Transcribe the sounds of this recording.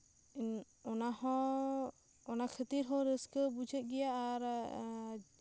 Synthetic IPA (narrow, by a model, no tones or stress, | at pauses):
ɔnaɦɔ̃ | ɔnakʰət̪iɾɦɔ̃ɾəskəbud͡ʒʱət̪̚ˀɡɛjaʔaɾ